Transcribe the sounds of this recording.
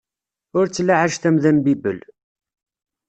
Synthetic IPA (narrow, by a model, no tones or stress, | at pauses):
ʊɾt͡sːlːaʕaʒθæmðænbibəl